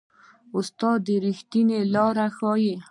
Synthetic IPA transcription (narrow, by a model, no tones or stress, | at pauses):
ʊst̪ɑd̪ːəɾixt̪inelɑɾaxɑje